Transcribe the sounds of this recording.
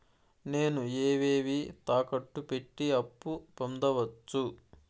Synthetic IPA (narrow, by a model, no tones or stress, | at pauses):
ne̞ːnueːʋeːʋit̪aːkɐʈːupe̞ʈːiɐpːupond̪ɐʋɐt͡ʃːu